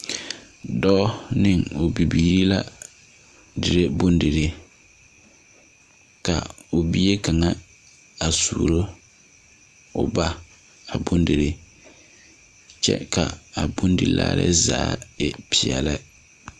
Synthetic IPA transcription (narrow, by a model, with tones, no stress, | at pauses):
dɔ˦nɪ˦˨ŋʊ˨bi˨biː˨ɾi˦la˦ | dɪ˨ɾe˦bʊ˦ndɪ˨ɾɪ˨ | ka̰˨ʊ˨bi˦e˦ka˨ŋa˦ | a˨sṵː˨ɾo˦ | ʊ˨ba˦ | a˨bʊ˦ndɪ˨ɾɪ˨ | t͡ʃɛ̰˦ka˨a˨bʊ˦ndɪ˨la̰ː˦ɾɪ̰˦za̰ː˦jɛ˨pɪ˨ɛ̰˨la˦